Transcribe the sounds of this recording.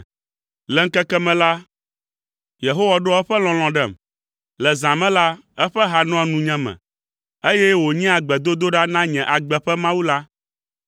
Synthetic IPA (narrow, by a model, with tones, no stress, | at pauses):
lɛ˨ŋ̩˦kɛ˦kɛ˦mɛ̃˨la˦ | je˨ɦo˦wa˨ɖo˦ɛ˦ɸɛ˦lɔ̃˨l̃ɔ̃˨ɖɛ˦˨m | lɛ˨zã˨mɛ̃˦la˦ɛ˦ɸɛ˦ɦa˨nɔ̃˦a˨nũ˨ɲɛ̃˦mɛ̰̃˨ | e˦jɛ˦wo˨ɲĩ˦a˨ɡ͡bɛ˨d̪o˦d̪o˦ɖa˦nã˦ɲɛ̃˨ʔa˨ɡ͡bɛ˨ɸɛ˦mã˦wu˦la˦